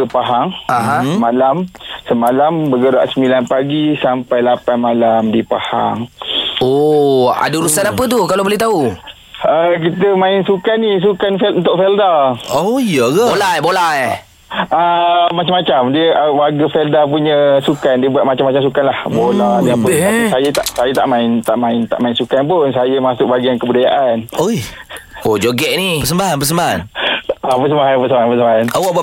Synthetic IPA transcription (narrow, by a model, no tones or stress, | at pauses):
əpaɦaŋaɦãmalamsəmalambəɡəɾa̰ʔsəmilanpaɡisampajlapanmalamdipaha̰ŋoa̰dəɾusanapət̪̬ukalabolɛht̪au | ək̬it̪əmãɪnsukanis̬ukanfɛlunt̪ʊk̚fɛldaoijəɡabolajbolaj | amat͡ʃamat͡ʃamdiəʔəwaɡəfɛldap̬uɲə̃sukandiəbuat̪mat͡ʃamat͡ʃamsukanlahboladiapəaisajət̪aʔsajət̪a̰ʔmãɪnt̪a̰ʔmãɪnt̪a̰ʔmaɪnsukanpʊnsajəmasʊk̚ʔ̚baɡiankəbudajaʔanojod͡ʒoɡɛʔniəs̬əmbaɦanpəsəmbaɦa̰napəs̬əmbaɦanpəsəmbaɦanpəsəmbaɦanawa